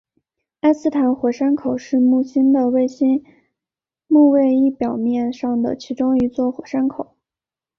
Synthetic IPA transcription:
a˥ɪsɹ̩˥˩t̪ʰa˧˥nxwɔ˧˥ʂa˥nkʰo˨˩˦ʊʂɻ̩˥˧mu˥˩ɕi˥nd̪ə˨we˥˩ɪɕi˥n | mu˥˧we˥˧ɪi˥˩pjɑ˨˩ʊmjɛ˥˧nʂɑ˥˩ŋd̪ə̰˩t͡ɕʰi˧˥ʈ͡ʂʊ˥ŋi˧˥t͡swɔ˥˩xwɔ˧˩˥ʂa˥nkʰo˨˩˦

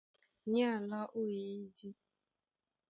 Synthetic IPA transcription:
ɲa˦˨la˦ʔo˦i˨i˦di˦

